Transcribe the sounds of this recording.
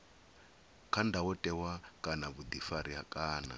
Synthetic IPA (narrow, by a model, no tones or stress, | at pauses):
kʰandawɔtʼɛwakʼanaβud̪ifaɾiɦakʼaːna̰